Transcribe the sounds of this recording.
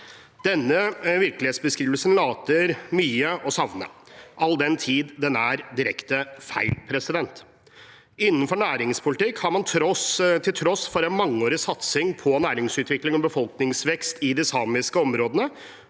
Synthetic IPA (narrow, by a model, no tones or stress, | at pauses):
d̪̥ɛnːəʋɪɾklɪeːt̪sbəskɾiːʋəlsənlɑːt̪əɾmyːəʔɔsɑʋnə̰ʔɑld̪ɛnt̪ʰiːd̪d̪ɛnæɾd̪ɪɾɛkt̪əfæɪlpʰɾɛsɪd̪ɛnt̪ | ɪnːənfɔɳæːɾɪŋspʰʊlɪt̪ɪkːhɑɾmɑnt̪ʰɾɔst̪ʰɪlt̪ʰɾɔsfɔɾɛnmɑŋːəoːɾəsɑt̪sɪŋpʰɔnæːɾɪŋsʉːt̪ʰʋɪklɪŋɔbəfɔlknɪŋsʋɛkst̪ɪd̪ɪsɑːmɪskəɔmɾoːd̪ənə